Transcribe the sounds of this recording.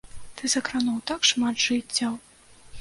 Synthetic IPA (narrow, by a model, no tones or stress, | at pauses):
t̪ɨzɐkɾanɔwt̪akʂmat̪ʐɨtt͡sʲːɐw